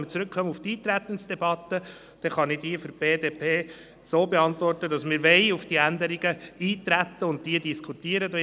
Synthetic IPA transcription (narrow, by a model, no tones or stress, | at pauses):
mət͡sɾɵkχœməuftiːt̪ɾæt̪ənsd̥ɛbɑt̪ːə | d̥ɛχɑnid̥̪iːəfyɾb̥eːdeːpʰeː | soːbeɑntʋɔrtəd̥ɑsmɪːɾʋɛɪufd̥iːænd̪əɾiɡəiːtɾæt̪ːəʊnt̚tiədiskʰut̪iəɾəd̪o